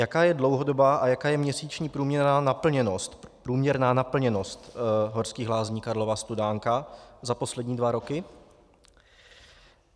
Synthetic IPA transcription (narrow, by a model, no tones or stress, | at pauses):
jakaːjɛdlo̞wɦo̞do̞baːʔajakaːjɛmɲɛsiːt͡ʃɲiːpɾuːmɲɛɾnaːnapl̩ɲɛnost̪pɾuːmɲɛɾnaːnapl̩ɲɛno̞st̪ɦoɾskiːɣɦlaːzɲiːkaɾlo̞vast̪udaːŋkazapo̞slɛdɲiːdvaɾo̞kɪ